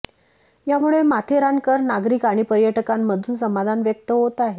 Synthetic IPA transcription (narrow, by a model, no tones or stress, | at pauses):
jamuɭemat̪ʰeɾaŋkəɾnaɡɾikaɽ̃ipəɾjəʈəkamːəd̪ʱuːnsəmad̪ʱanʋjək̚t̪əɦot̪aɦe